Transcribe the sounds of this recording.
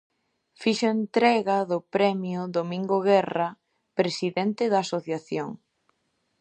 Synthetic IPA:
fiʃʊent̪ɾɛɣɐðʊpɾɛmjʊðomĩŋɡoɣɛrɐ | pɾesiðɛnt̪ɪðɐːsoθjaθjo̰ŋ

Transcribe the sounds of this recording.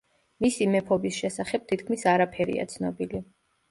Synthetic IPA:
misimɛpʰɔbisʃɛsaχɛb̚t̪ʰit̪̚kʰmisaɾapʰɛɾḭa̰t̪sʰnɔbili

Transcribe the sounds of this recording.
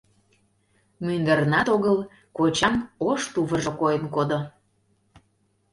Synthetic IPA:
mynd̪ərnɑt̪oɣəl | kot͡ɕɑnoʃt̪uβəʒokojənkod̪o

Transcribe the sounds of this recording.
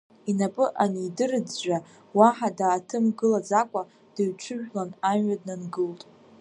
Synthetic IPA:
inapʼɨʔaniːdɨrɨd͡zʒʷᶣa | waħadaːtʰɨmɡɨlad͡zakʷʼa | d̥ɨɥʈ͡ʂʷʰɨʒᶣlananɥadnanɡɨltʼ

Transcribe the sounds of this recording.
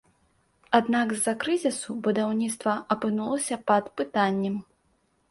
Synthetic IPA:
ad̪naɡzːɐkɾɨzʲisubud̪awnʲit̪st̪vɐɐpɨnulˠɐsʲɐpɐd̪pɨt̪anʲːɛm

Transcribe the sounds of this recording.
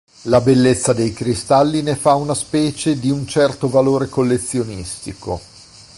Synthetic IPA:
labelːet̪sːad̪ejkɾist̪alːinefaunaspɛːt͡ʃed̪iunt͡ʃɛrt̪ovaloːɾekolːet̪sːjonist̪iko

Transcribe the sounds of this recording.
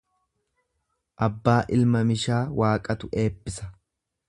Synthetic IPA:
ʔɐbːaːʔɪlmɐmɪʃaːwaːkʼɐt̪ʊe̞ːpːɪsɐ

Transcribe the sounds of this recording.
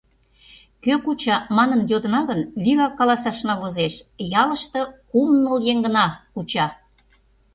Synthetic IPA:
køkut͡ɕɑmɑnənjod̪ənɑɣənβiɣɑkːɑlɑsɑʃnɑβozeʃjɑlə̆ʃt̪ɤ̆kumnəljeŋɡə̆nɑkut͡ɕɑ

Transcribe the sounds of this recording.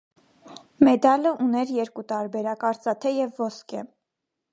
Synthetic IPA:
mɛd̪ɑləʔunɛɾjɛɾkut̪ɑɾbɛɾɑkɑɾt͡sɑt̪ʰɛjɛvːɔskɛ

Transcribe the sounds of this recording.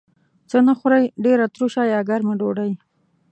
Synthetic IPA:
t͡sənaxʊɾajɖeɾat̪ɾuʃajɑɡaɾmaɖoɽaj

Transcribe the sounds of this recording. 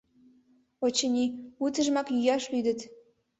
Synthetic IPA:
ot͡ɕə̆nʲiut̪ə̆ʒmɑkjyjɑʃlyd̪ə̆t̪

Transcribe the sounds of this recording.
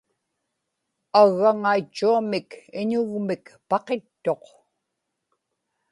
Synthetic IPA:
aɣːaŋait͡ʃːuamɪkɪɲʊɣmɪkpɑqe̞t̪ːo̞q

